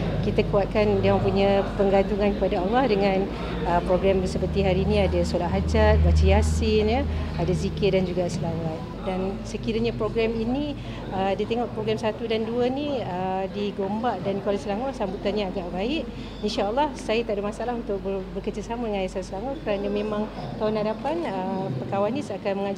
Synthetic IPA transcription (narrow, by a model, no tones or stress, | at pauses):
kit̪akuat̪̚kanjaŋpuɲapəŋɡant̪uŋankəpadaalˠːɑhdəŋãn | əpɾoɡɾamsəpərt̪iɦaɾiːnĩadasolat̪̚ɦad͡ʒat̪̚bat͡ʃəjasɪnjəadazikɪdand͡ʒuɡasəlawan | dansəkiɾaɲapɾoɡɾɛmini | ədiat̪eŋɔʔpɾoɡɾɛmsat̪udanduəniədiɡombaʔdankwalasəlaŋɔsambut̪anɲaːɡaʔbaɪʔ | inʃaːlˠːɑhsajət̪aʔdamasaalaɦunt̪ʊk̚bəbərkərd͡ʒəsamadəŋanajasalsəlaŋɔkəɾanəmẽmãŋt̪aʊnhadapanəpəkawanisakanməŋa